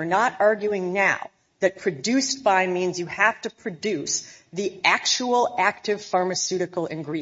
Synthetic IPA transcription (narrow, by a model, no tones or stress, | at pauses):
ə˞nəɾɑɹɡjʉɪ̃ŋnaʊ | ðɨt̚pʰɹ̥ɨdʉstb̥aɪmĩnzjɨhæftɨpʰɹ̥ɨdʉsðiʔæk̚t͡ʃul̩ˠæk̚tɨv̥fɑɹmɨsʉɾɨkl̩ˠɪ̰̃nɡɹi